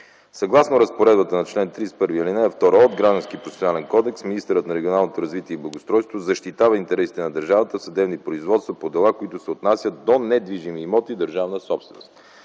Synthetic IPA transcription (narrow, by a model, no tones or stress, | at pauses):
sɐɡlˠasnoɾɐspoɾɛd̪̚bət̪ənɐt͡ʃlɛnt̪ɾispɤɾviilinɛɛft̪ɔɾəod̪ɡɾaʒd̪ɐnskiəpɾofɛsʲjonalɛnkɔd̪ɛksminist̪ɛɾət̪nɐɾɛɡʲionalˠnot̪oɾɐzvit̪iɛiblˠɐɡost̪ɾɔjst̪vozɐʃt̪it̪avəint̪ɛɾɛsi̥t̪ɛnɐd̪əɾʒavət̪əfsɐd̪ɛbnipɾoizvɔt̪st̪vɐpod̪ɛlˠakoit̪ʊsɛot̪nasʲət̪d̪onɛd̪viʒimiːmɔt̪id̪əɾʒavnəsɔpst̪vɛ̰no̰st̪